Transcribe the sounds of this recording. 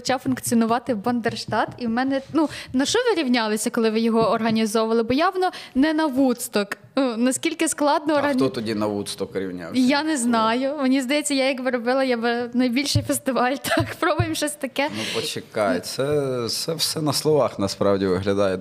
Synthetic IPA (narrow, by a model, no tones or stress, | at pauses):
t͡ʃawfʊnkt͡sʲiɔnʊʋɑt̪ɪbɔnd̪erʃt̪ɑt̪iwmɛnɛnunɐʃɔʋɪɾʲiwnʲalˠɪsʲɐkɔlˠɪʋɪjɔɦɔːrɦɐnʲizɔʋɐlˠɪbɔjawnɔnɛnɐʋut̪st̪ɔk | nunɐsʲkʲilʲkɪsklˠɑd̪nɔːrɦɐt̪ɔt̪ɔdʲinɐʋut̪st̪ɔkʋɪɾʲiwnʲa̰wsjanɛznɑjʊmɔnʲizd̪ɐjɛt͡sʲːɐjajɐkʋɪɾɔbɪlˠɐjabɪnɐjbʲilʲʃɪjfest̪ɪʋɑlʲt̪ɑkpɾɔbɐjimʃt͡ʃɔsʲt̪ɐkɛnupɔt͡ʃɪkɑjɛt͡ssɛsɛwsɛnɐslˠɔʋɑxnɐspɾɑwdʲiʋɪɦlʲɐd̪ɑjɛ